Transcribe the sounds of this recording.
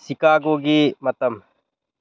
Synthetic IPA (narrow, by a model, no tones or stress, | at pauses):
sikaːɡoːɡiːmɐt̪ɐm